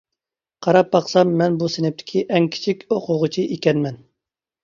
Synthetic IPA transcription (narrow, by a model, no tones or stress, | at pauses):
qʰɑɾɑp̚bɑqsɑmːɛnbusenɪp̚t̪ʰɪ̥kʲʰiʔɛŋkʲʰi̥t͡ʃʰikʲoqʰʊʁʊt͡ʃʰiʔekʲɛnmɛn